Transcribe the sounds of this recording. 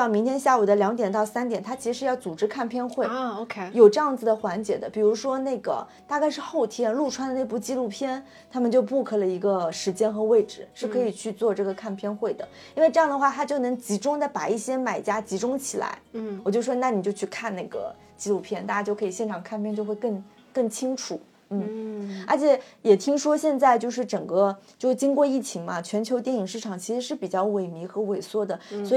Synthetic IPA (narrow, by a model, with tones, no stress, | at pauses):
ɑ˥˩mi˧˥ŋt̪ʰjɛ˥nɕja˥˩u˨˩d̪ə˦ljɑ˧˥ŋt̪jɛ˨˩nt̪ɑ˥˩ʊsa˥nt̪jɛ˨˩nt̪ʰa˥t͡ɕʰi˧˥ʂ̩˧ʂɻ̩˧jɑ˥˩ʊt͡su˨˩ʈ͡ʂɻ̩˥kʰa˥˩npʰjɛ˥˧nxwe˥˩ɪo˧kʰjo˨˩ʊʈ͡ʂɤ˥˧jɑ˥˩ŋd͡zɹ̩˩d̪ə˩xwa˧˥nt͡ɕjɛ˨˩d̪ə˦pi˨˩ɻu˧˥ʂwɔ˥na˥˩ɪɡə̰˩ | t̪a˥˧ka˥˧ɪʂɻ̩˥˧xo˥˩ʊt̪ʰjɛ˥nlu˥˩ʈ͡ʂʰwa˥nə˧ne˥˧ɪpu˥˩t͡ɕi˥lu˥˩pʰjɛ˥n | t̪ʰa˥mə˨nt͡ɕjo˥˧ʊpu˥˩kʰɤ˥˩lə˩i˧˥ɡə˧ʂɻ̩˧˥t͡ɕjɛ˥nxɤ˧˥we˥˩ɪʈ͡ʂɻ̩˨˩˦ʂɻ̩˥˩kʰɤ˧˥i˨˩t͡ɕʰy˥˧t͡swɔ˥˧ʈ͡ʂɤ˥˩ɡə˩kʰa˥˩npʰjɛ˥nxwe˥˩ɪd̪ə˩ | i˥nwe˥˧ɪʈ͡ʂɤ˥˧jɑ˥˩ŋd̪ə˩xwa˥˧t̪ʰa˥t͡ɕjo˥˩ʊnɤ˧˥ŋt͡ɕi˧˥ʈ͡ʂʊ˥ŋt͡sa˧˩ɪpa˨˩i˥˩ɕjɛ˥ma˨˩ɪt͡ɕja˥t͡ɕi˧˥ʈ͡ʂʊ˥ŋt͡ɕʰi˨˩la̰˧˥ɪwɔ˨˩t͡ɕjo˥˧ʊʂʂwɔ˥na˥˩ni˨˩t͡ɕjo˥˧t͡ɕʰy˥˧kʰa˥˧nna˥˩ɪɡə̰˩ | t͡ɕi˥lu˥˧pʰjɛ˥˩nt̪a˥˩t͡ɕja˧˥t͡ɕjo˥˩kʰɤ˧˥i˨˩ɕjɛ˥˩nʈ͡ʂʰɑ˨˩ŋkʰa˥˧npʰjɛ˥˧nt͡ɕjo˥˧ʊxwe˥˧ɪkɤ˥˧ŋ | kɤ˥˩ŋt͡ɕʰi˥ŋʈ͡ʂʰu˨˩˦ | n̩˥˩ə̰˞˧˥t͡ɕʰjɛ˧˥jɛ˨˩t̪ʰi˥ŋʂwɔ˥ɕjɛ˥˧nt͡sa˥˧ɪt͡ɕjo˥˧ʊʂ̬ɻ̩˥˩ʈ͡ʂɤ˨˩ŋɡə˥˧t͡ɕjo˥˧ʊʂt͡ɕi˥ŋkwɔ˥˧i˥˩t͡ɕʰi˧˥ŋmɐ˧t͡ɕʰɥɛ˧˥nt͡ɕʰo˧˥t̪jɛ˥˩ni˨˩ŋʂɻ̩˥˩ʈ͡ʂʰɑ˨˩ŋt͡ɕʰi˧˥ʂɻ̩˧˥ʂɻ̩˥˩pi˨˩t͡ɕjɑ˥˩ʊwe˧˩ɪmi˧˥xɤ˧˥we˨˩ɪswɔ˥d̪ə˨swɔ˧˥˨